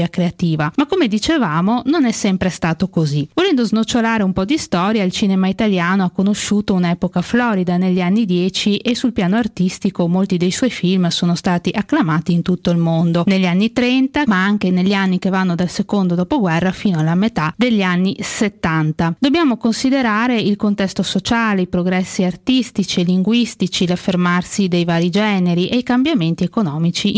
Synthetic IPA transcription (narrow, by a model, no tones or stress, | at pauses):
akɾeat̪iːvamakːomed̪it͡ʃevaːmononɛsːɛmpɾest̪aːt̪okozivolɛnd̪oznot͡ʃːolaːɾeumpɔd̪ist̪ɔːɾjailt͡ʃiːnemait̪aljaːnoakːonoʃːuːt̪ounɛːpokaflɔːɾid̪aneʎːianːid̪jɛːt͡ʃiʔesulpjaːnoart̪ist̪ikomolt̪id̪ejswɔjfilmsoːnost̪aːt̪iʔakːlamaːt̪iːnt̪ut̪ːoilmond̪oneʎːianːit̪ɾɛnt̪amaaŋkeneʎːianːikevanːod̪alsekond̪od̪ɔːpoɡwɛrːafiːnoalːamet̪ad̪eʎːianːiset̪ːant̪ad̪objaːmokonsid̪eɾaːɾeilkont̪ɛst̪osot͡ʃaːleipɾoɡɾɛsːiart̪ist̪it͡ʃieliŋɡwist̪it͡ʃilafːermarsid̪ejvaːɾid͡ʒɛːneɾiʔeikambjament̪iekonɔːmit͡ʃi